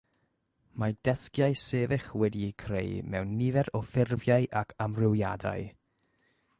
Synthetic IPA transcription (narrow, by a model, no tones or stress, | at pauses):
mad̥ɛθkjajseːvɪχwɛdiːkʰrḛjmɛ̰wnːivɛɾɔfɪrvjaɨʔakʰamrɪwja̰da̰ɨ